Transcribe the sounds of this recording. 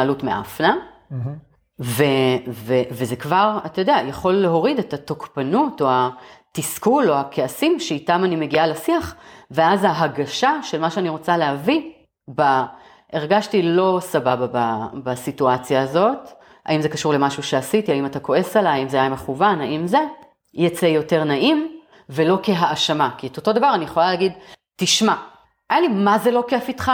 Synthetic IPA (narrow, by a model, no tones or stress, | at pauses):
alutmeʔa̰fna | ve̞veve̞ze̞kvaʁatajodeajaχo̞lːe̞ɦo̞ʁidetatokpanuto̞atiskulo̞akʰe̞asimʃeitamanime̞ɡialesiaχveazaɦaɡaʃaʃe̞lmaʃeaniʁo̞t͡saleɦavi | ba | ʔeʁɡaʃtilo̞sababababasituat͡sjaːzo̞t | a̰imzekaʃuʁle̞maʃuʃeasitiaimatako̞e̞salaːimzeajame̞χuvanaimze̞ | jat͡sejo̞te̞ʁnaʔim | ve̞lo̞ke̞ɦaːʃamakieto̞to̞davaʁanije̞χo̞lalaːɡidtiʃma | ajalimaze̞lo̞keafitχa